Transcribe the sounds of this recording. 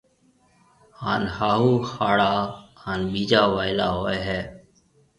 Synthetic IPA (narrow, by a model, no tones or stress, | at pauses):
haːnhaːɦuːxaːɽaːhaːnɓiːd͡ʒaːʋaːɪlaːɦoːeɦɛː